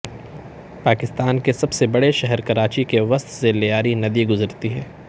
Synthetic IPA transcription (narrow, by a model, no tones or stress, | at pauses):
paːkɪst̪aːnkesɐbsebɐɽeʃɛɦɛɾkɐɾaːt͡ʃikeʋɐst̪selejaːɾinɐd̪iɡʊzəɾt̪iɦɛː